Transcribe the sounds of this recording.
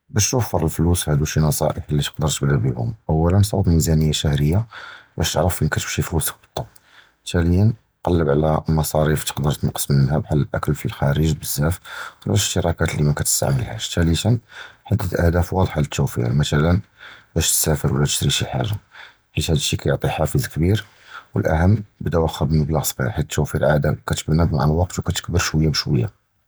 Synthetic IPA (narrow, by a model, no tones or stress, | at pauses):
bæʃt̪wəfːəɾˤəlflushæd̪uʃinɑsˤɑ̰ʔəħlːit̪ə̥qd̪əɾt̪əbləbihʊ̰mʔəwːælənsˤɑ̰bmizænəjːaʃæhɾəjːabæʃt̪əʕɾəfʔikæt̪əbʃiflusə̥k̚bət̪ˤːɑb | t̪ʰæləjːən | qɑlːəbʕlæmɑsˤɑɾift̪ə̥qd̪əɾˤt̪ənqːə̥smənənhæbħalːəlʔæ̰kəlfilxæɾəʒbəzːæflæʃʃt̪əɾˤɑkæt̪limənkæt̪ə̥st̪a̰ʕməlhæ̰ʃt̪ælit̪ənħad̪ːət̪ʔə̰hd̪æfwɑd̪ˤħalət̪ʰːuwfḭɾmæt̪ælənbæʃt̪sæfəɾwəlːææʃt̪ɾiʃilħa̰ʒa | ħiʃhæd̪əʃːikæjʊʕt̪ˤiħafizkbiɾ | wəlʔæ̰ɦəmːbəd̪æwæxæbəlməblæɣsˤbḭħit̪ːuwfiɾʕad̪akæt̪ə̥bnəbmaʕəlwɑq̚t̪wkæt̪ə̥k̚bəɾʃwəjːabəʃwəjːa